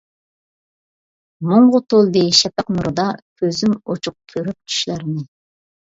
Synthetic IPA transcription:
moɴʁʊt̪ʰolˠd̪eʃɛpæqnuɾɨd̪ɑkʲʰøzymot͡ʃʰʊq̚kʲʰøɾyp̚t͡ʃʰy̥ʃlæɾɪnɪ

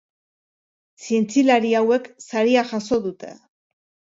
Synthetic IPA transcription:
sie̞nt͡silaɾiawe̞ksaɾiaxaso̞ðut̪e̞̰

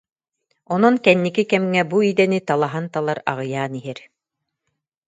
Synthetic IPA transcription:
ɔnɔnkɛnːikikɛmŋɛbuid̪ɛnit̪alˠaɦant̪alˠaɾa̰ʁɤ̆jaːniɦɛɾ

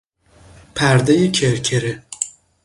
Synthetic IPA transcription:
pʰæɾd̪ejecʰeɾcʰeɾe

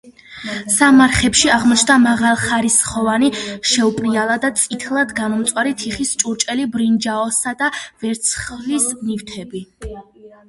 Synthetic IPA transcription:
samaɾχɛpʃiaʁmɔt͡ʃʰnd̪amaʁalˠχaɾisχɔvaniʃɛupʼɾialˠad̪at̪sʼit̪ʰlˠad̪ɡamɔmt̪sʼwaɾit̪ʰiχist͡ʃʼuɾt͡ʃʼɛlibɾind͡ʒaɔsad̪avɛɾt̪sʰχlisnift̪ʰɛbi

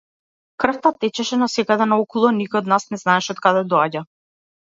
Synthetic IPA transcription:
kr̩ft̪at̪ɛt͡ʃɛʃɛnasɛkad̪ɛnaɔkɔlˠɔnikɔjɔd̪nasnɛznaɛʃɛɔt̪̚kad̪ɛd̪ɔaɟa

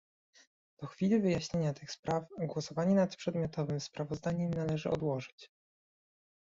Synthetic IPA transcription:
d̪̥ɔxfʲilivɘjaɕɲeɲat̪ɘxspɾafɡwɔsɔvaɲɛnat̪pʂɛd̪mʲjɔt̪ɔvɘmspɾavɔzd̪aɲɛmnalɛʐɘʔɔ̰d̪wɔʐɘt͡ɕ

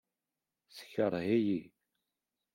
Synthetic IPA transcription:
sə̥çəɾˤɦiji

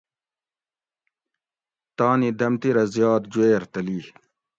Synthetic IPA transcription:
t̪aːnid̪ɐmt̪iɾɐzjɑːt̪̚d͡ʑueːɾt̪ɐliː

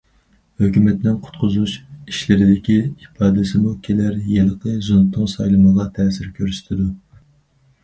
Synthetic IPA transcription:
høkʲymɛt̪nɪnqʰʊ̥t̪qʰʊzuʃiʃlɪɾɪd̪ɪkʲihipʰɑːd̪ɪsɪmukʲʰelæɾjeləqʰəzunt̪ːɨŋsɑjlˠɨməʁɑt̪ʰɛːsɪɾkʲʰøɾsy̥t̪ʰɪd̪u

